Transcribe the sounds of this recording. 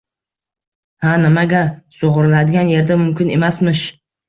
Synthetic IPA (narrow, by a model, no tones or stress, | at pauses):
hanɪmaɡʲasoʁɾɪlad̪ɪɡʲanje̞ɾd̪amʊmkʲɪne̞masmɪʃ